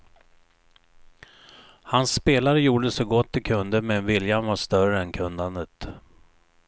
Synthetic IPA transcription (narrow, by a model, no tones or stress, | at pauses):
hansːpeːlaɾəjuːɖəsɔɡɔt̪ːɪkʰɵnd̪əmɛnvɪljanvaʂt̪œrəɛnkʰɵnd̪and̪ət̪